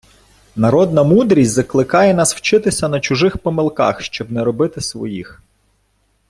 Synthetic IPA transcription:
nɐɾɔd̪nɐmud̪ɾʲisʲzɐklˠɪkɑjɛnɑsw̥t͡ʃɪt̪ɪsʲɐnɐt͡ʃʊʒɪxpɔmɪlˠkɑ̰xʃt͡ʃɔbnɛɾɔbɪt̪ɪsʋɔ̰jix

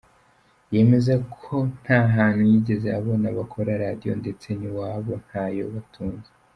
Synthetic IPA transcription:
je̞me̞zekʰo̞n̥haːɦaːn̥hujiɟe̞zea̰βo̞naβakʰo̞ɾaɾadijo̞̰nde̞t͡se̞niwaːβo̞n̥hajo̞̰βatʰuːnze

